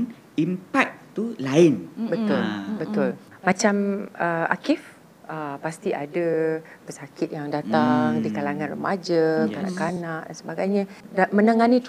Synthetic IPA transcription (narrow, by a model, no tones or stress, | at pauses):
n | impak̚t̪ulaɪnbət̪ʊlbət̪ʊl | mat͡ʃaməʔa̰kɪf | əpast̪iʔa̰dapəsakɪt̪̚jaŋdat̪aŋdikalaŋãnrə̰mad͡ʒakana̰kanaʔdansəbaɡajɲa | damə̃naŋanit̪